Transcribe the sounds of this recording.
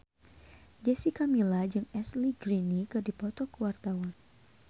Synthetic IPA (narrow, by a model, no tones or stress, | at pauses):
d͡ʒɛsikamilad͡ʒɨŋɛsliɡɾinikɨrdipɔt̪ɔkəwart̪awan